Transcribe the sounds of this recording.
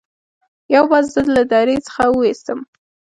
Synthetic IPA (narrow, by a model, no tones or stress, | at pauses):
jawbɑzzəd̪lad̪ɑɾet͡sə̥xawəwest̪əm